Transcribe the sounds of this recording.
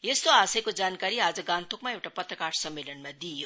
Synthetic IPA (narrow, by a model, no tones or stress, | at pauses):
jest̪oasʌjkod͡zankaɾiad͡zʌɡãnt̪ʰokmaewʈapʌt̪rəkaɽsʌmːelʌnmad̪ijo